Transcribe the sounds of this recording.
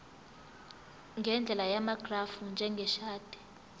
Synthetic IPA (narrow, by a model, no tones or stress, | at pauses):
ŋɡʱɛnd͡ɮʱɛlajamaɡ̥ʱrafund͡ʒʱɛŋɡʱɛʃaːd̥ʱɛ̥